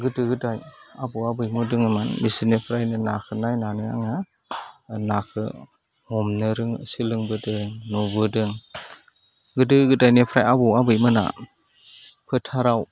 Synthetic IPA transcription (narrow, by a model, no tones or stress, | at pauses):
ɡɯdɯɡɯdajabɯabɯjmudɯŋɯmanmisinepʰɾajnɯnakʰɯnajnanɯa̰ŋa | nakʰɯ | hɔmnɯɾɯŋ̰silɯŋbɯdɯŋnɔbɯdɯŋ | ɡɯdɯɡɯdajnepʰɾajabuwabɯjmɯna̰ | pʰɯtʰaɾaw